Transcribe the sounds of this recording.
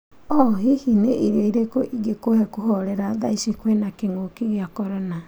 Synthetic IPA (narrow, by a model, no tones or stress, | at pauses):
ɔɦihineʔiɾoiɾekoʔiɡekohɛkuɦɔɾɛɾaða̰isikwɛnakeŋokiɣeakɔɾɔna